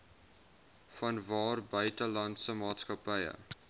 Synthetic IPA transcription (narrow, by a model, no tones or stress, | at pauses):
fɐnvɑːrbœɥtəlɐntsəmɑːtskɐpəjə̰